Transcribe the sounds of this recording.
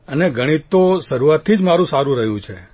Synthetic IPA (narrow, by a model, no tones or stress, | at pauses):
əneɡʱəɽ̃it̪ːoʃəɾuʋat̪ʰːid͡ʒmaɾũsaɾũɾəɦjũt͡ʃʰe